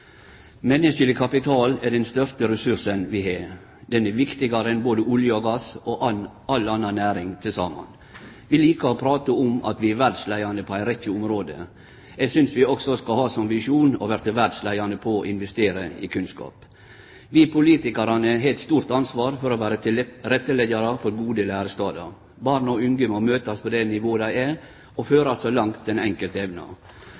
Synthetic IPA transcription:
mɛnːəsəlɪkʰɑpɪt̪ʰɑːlɛɖɛnst̪œɾt̪əɾɛsʉʂənʋɪɦe | d̪ɛnɛʋɪkt̪ɪɡɑɾəɛnboːd̪əʔʊljəɔɡɑso | ɑlɑnːɑnæːɾɪŋt̪ʰɪlsɑːmɑ̰n | ʋɪliːkəɾɔpʰɾɑːt̪əʊmɑ̰t̪ʋɪʋæɖʂlæɪɑnəpʰɔæɪɾɛt̪ːɪʊmɾoːd̪ə̰ | ɛɡsʏnsʋɪɔksɔskɑhɑːsɔmʋɪʂuːnɔ̰ʋæːɾt̪ɪʋæɖslæɪɑnəpʰɔʔɪnʋɛst̪eːɾəɪ̰kʰʉnskɑ̰ːp | ʋɪpʰʊliːt̪ɪkɑɾɑnəɦɛɪt̪st̪uːɾt̪ɑnsʋɑːɾfɔɾɔʋæːɾət̪ɪɾɛt̪ːəlɛɡɑɾɑfɔɾɡuːd̪əlæːɾəst̪ɑːd̪ɑ | bɑɾɳɔʉŋɡəmɔmøːt̪ɑspʰɔd̪ɛnɪʋoːəd̪æɪæ | ɔføːɾɑsɔlɑŋt̪ʰɛnɛŋkəlt̪ɛʋnɑ̰

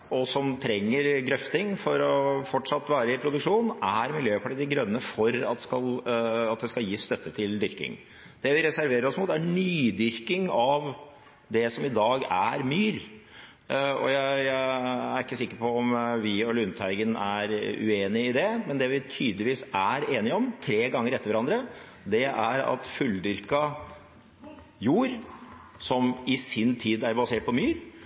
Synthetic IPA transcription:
ɔsɔmt̪ʰɾɛŋːəɾɡɾœft̪ɪŋfɔɾɔfɔʈʂɑt̪ːʋæːɾəɪpʰɾʊd̪ʉkʂuːnæɾmɪljøːpʰɑʈiːd̪əɡɾœnːəfɔɾɑt̪d̪ɛskɑlɑt̪̚d̪ɛskɑljiːst̪œt̪ːət̪ʰɪld̪ʏɾkɪ̰ŋ | d̪̥ɛʋɪɾɛsæɾʋeːɾəɾɔsmuːt̪ːænyːd̪ʏɾkɪŋɑʋ | d̪ɛsɔmɪd̪ɑːɡæ̰ɾmyːɾ | ɔ̰jæɪææɾɪkːəsɪkːəɾpɔɔmʋɪɔlʉnt̪ʰæɪɡənæ̰ɾʉ̰eːnɪɪd̪ɛmɛnd̪ɛʋɪt̪ʰyːd̪lɪʋiːsæɾeːnɪɔmt̪ʰɾeːɡɑŋːəɾɛt̪ːəɾʋæɾɑnd̪ɾə | d̪ɛæɾɑ̰t̪fʉld̪ʏɾkɑ | juːɾ | sɔmɪsɪnt̪ʰiːd̪æɾbɑseːʈ̚pʰɔmyːɾ

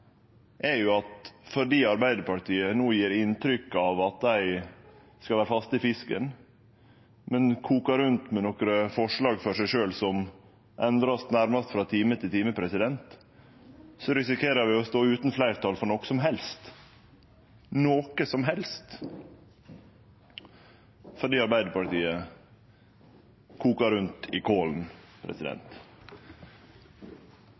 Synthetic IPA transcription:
ʔɛjʊɑt̪fɔɖiːɑɾbæɪd̪əɾpɑʈ̪iːənuːjiːɾɪnt̪ʰɾʏkːɑʋɑt̪̚d̪æɪ | skɑlʋæːɾfɑst̪ɪfɪskə̰n | mɛnkʰuːkɑɾʉnt̪mɛnɔkɾəfɔʂɭɑːɡfɔʂæɪʂøːlsɔm | ʔɛnd̪ɾɑst̪næɾmɑst̪fɾɑːt̪ʰiːmət̪ʰɪlt̪ʰiːməpʰɾɛsɪd̪ɛnt̪ | sɔɾɪsɪkʰeːɾəʋɪːɔst̪oːʉːt̪nflæɪɾt̪ʰɑːlfɔɳɔksɔmɦɛlst̪ | noːkəsɔmɦɛlst̪ | fɔɖiːɑɾbæɪd̪əpɑʈ̪iːə | kʰuːkɑɾʉnt̪ɪkʰoːln̩pʰɾɛ̰sɪd̪ɛ̰nt̪

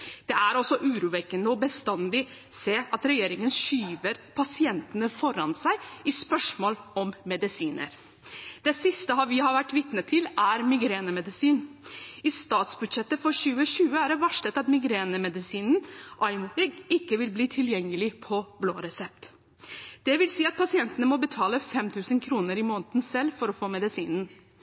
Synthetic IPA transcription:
d̪̥ɛæɾɔsɔʔʉːɾuːʋɛkːənəɔbəst̪ɑnd̪ɪ | seːɑt̪ɾɛjeːɾɪŋənʂyːʋəɾpʰɑsɪɛnt̪ənəfɔɾɑnsæɪɪspœʂmoːlɔmmːɛd̪ɪsiːnə̰ɾ | d̪̥ɛsɪst̪əɦɑʋɪhɑɾʋæʈːʋɪt̪nət̪ʰːɪlæɾmɪɡɾeːnəmɛd̪ɪsiːnɪst̪ɑːt̪sbʉd̪ʂɛt̪ːəfɔɾɕʉːəɕʉːəæɖɛʋɑʂɭət̪ɑt̪mɪɡɾeːnəmɛd̪ɪsiːnn̩ʔɑɪmuʋɛɡɪkːəʋɪlbliːt̪ʰɪljɛŋːəlɪpʰɔblo̰ːɾɛsɛp̚t̪ | d̪̥ɛʋɪlsiːɑt̪̚pʰɑsɪɛnt̪ənəmɔbət̪ʰɑːləfɛmt̪ʰʉːsənkʰɾuːnəɾɪmɔnt̪n̩sɛlːfɔɾɔfoːmɛd̪ɪsiːnn̩

